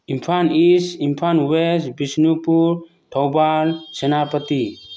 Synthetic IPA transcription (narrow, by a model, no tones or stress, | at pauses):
impʰanisimpʰanwesbisnupuɾ | t̪ʰɔwbalsɛnapət̪i